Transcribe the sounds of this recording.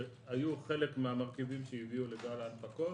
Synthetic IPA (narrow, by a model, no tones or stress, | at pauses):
hajuχe̞lekmeamaʁkivimʃeiviuleɡalalpako